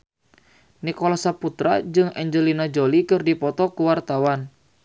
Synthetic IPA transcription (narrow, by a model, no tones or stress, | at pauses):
nikɔlɔsaput̪ɾa̰d͡ʒɨŋɛɲd͡ʒɛlinad͡ʒolikɨrdipɔt̪ɔkuwart̪awan